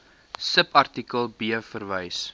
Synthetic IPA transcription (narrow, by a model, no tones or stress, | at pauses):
səpɐrtikəlˠbiəfərvəjs